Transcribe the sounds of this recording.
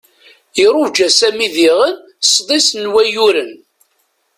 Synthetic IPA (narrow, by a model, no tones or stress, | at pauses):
iɾˤʊvd͡ʒæsæmiðiʁən | sðˤisnwæjuɾən